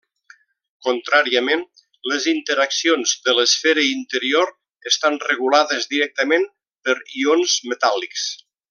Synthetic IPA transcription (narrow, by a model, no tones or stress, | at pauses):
kunt̪ɾaɾiəmen | ləzint̪əɾaksionzðələsfɛɾəint̪əɾioɾ | əst̪anrəɣ̞ulaðəzðiɾɛk̚t̪əmen | pəɾionzmət̪alˠiks